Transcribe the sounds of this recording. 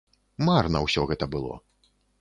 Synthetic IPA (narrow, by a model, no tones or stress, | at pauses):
marnɐwsʲɔɣɛt̪ɐbɨlˠɔ̰